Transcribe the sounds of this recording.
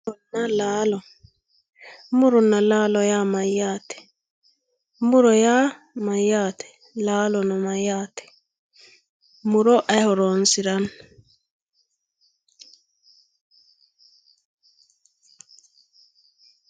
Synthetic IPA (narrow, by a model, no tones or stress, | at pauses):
ɔnalaːlɔ | muɾɔnːalaːlɔjamajatɛ̥ | muɾɔja | majatɛ̥ | laːlɔnɔmajatɛ̥ | muɾɔʔahɔɾɔnsiɾan